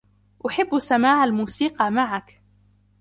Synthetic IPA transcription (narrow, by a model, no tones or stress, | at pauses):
ʔʊħɪbːsamaːʕalmuːsiːqɑmaʕak